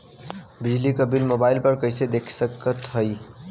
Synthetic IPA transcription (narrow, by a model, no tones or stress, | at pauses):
bid͡ʒlikəbilmobaɪlpəɾkəjsed̪ekʰsəkːət̪ɦəj